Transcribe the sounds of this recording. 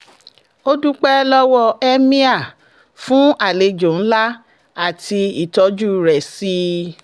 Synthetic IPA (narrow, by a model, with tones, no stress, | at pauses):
o˦du˦k͡pɛ˦lɔ˦wɔ˧ɛ˦mĩ˦a˦˨ | fũ˨˦a˨le˨˧˦d͡ʒõ˨n̩˦la˦ | a˦˨ti˧i˦˨tɔ˨˧˦d͡ʒu˦ɾɛ˨si˧˦